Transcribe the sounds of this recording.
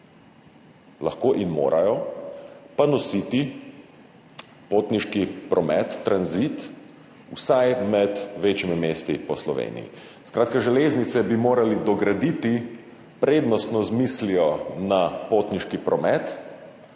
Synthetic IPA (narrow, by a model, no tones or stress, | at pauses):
laxkoːʔinmo̰ːɾʔajɔ | panɔsit̪i | poːt̪niʃkipɾɔmɛt̪ːɾanzit̪ | ṵsajmɛt̪ʋeːt͡ʃimimeːst̪ipɔslɔʋḛːnḭjḭ | skɾʔaːt̪kaʒɛleːznit̪sɛbimoːɾalid̪ɔɡɾad̪iːt̪i | pɾeːd̪nɔst̪nɔzmislijɔnapot̪niʃkipɾɔmɛt̪